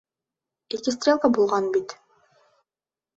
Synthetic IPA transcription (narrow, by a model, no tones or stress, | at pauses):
ekʲɪst̪rʲe̞lˠkabulˠʁɑnbit̪